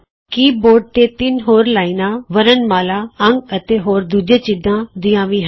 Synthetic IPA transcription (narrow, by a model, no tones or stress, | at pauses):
kiːboːɾɖ̚t̪eːt̪ɪnɦoːɾlaːinãːʋəɾənmaːlaːəŋɡət̪eːɦoːɾd̪uːd͡ʒeːt͡ʃɪd̪ãːd̪ɪ̃jãːʋĩːɦ